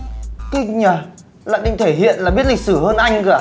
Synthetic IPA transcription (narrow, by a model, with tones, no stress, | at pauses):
ki˧ŋɲəː˨˩ | la̰ː˧˨nɗï˧˨ŋt̪ʰe˧˩ɦḭ˧˨ənlaː˨˩ɓi˦˥ət̚li˨˩k̚sɨ˧˩həː˧nʔa˧jŋ̟ɣaː˨˩